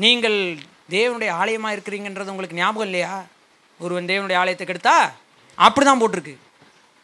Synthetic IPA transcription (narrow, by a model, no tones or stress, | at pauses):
niːŋɡɐɭ | d̪eːʋɐnɯɽɐjɐaːɭɐjɐmaːɪɾɯkːɪɾiːŋɡɐɛndrɐðɯʊŋɡɐɭɯkːɯnjaːmɐɣɐɪlːɐjaː | ɔɾɯʋɐnd̪eːʋɐnɯɽɐjɐaːɭɐjɐt̪ːɐkːɛɽɯt̪ːaː | ɐpːɐɽit̪ãːmpoːʈːɪɾɯkːɯ